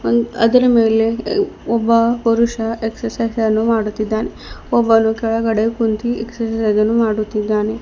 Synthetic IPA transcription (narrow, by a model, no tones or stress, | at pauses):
ɐ̰d̪ɐɾɐmeːleɔbːɐpɐɾuʃɐʔeksɐɾsɐjsɐnːumaːɽut̪ːid̪ːaːneɔbːɐnukɛɭɐɡɐɽekunt̪ieksɐɾsɐsɐjzɐnːumaːɽut̪ːid̪ːaːne